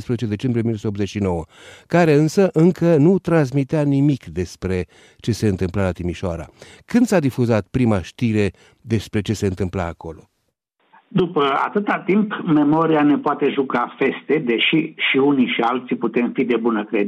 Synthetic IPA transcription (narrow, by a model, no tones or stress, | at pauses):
spɾezet͡ʃed̪e̞t͡ʃe̞mbɾijeminost̪obzet͡ʃʲʃino̞wə | kaɾe̞ɨnsəʔɨŋkʰənut̪ɾans̬mit̪eanimikd̪e̞spɾe̞ | t͡ʃe̞se̞ɨnt̪ɨmplalat̪imiʃoaɾa̰kɨnd̪sad̪ifuzat̪̚pɾimaʃt̪iɾe̞ | d̪e̞spɾe̞t͡ʃe̞se̞ɨnt̪ɨmplaːko̞lo̞ | d̪upəa̰t̪ɨt̪at̪impme̞mo̞ɾiane̞poat̪e̞ʒukafe̞st̪e̞d̪e̞ʃiʃiuniʃialt̪siput̪e̞mfid̪e̞bunəkɾe